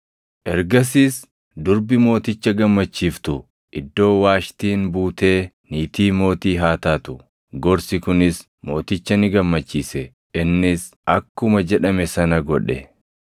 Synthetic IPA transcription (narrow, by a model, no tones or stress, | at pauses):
ʔɛɾɡɐs̬iːs | d̪ʊɾbɪmo̞ːt̪ɪt͡ʃːɐɡɐmːɐt͡ʃːiːft̪ʊ | ʔɪd̪ːo̞ːwaːʃt̪iːnbuːt̪e̞ː | niːt̪iːmo̞ːt̪iːɦaːt̪aːt̪ʊ | ɡɔɾsɪkʊnɪs | mo̞ːt̪ɪt͡ʃːɐnɪɡɐmːɐt͡ʃːiːsɛ | ʔɪnːɪs | ʔɐkːʊmɐd͡ʒɛᶑɐmɛsɐnɐɡɔᶑɛ̰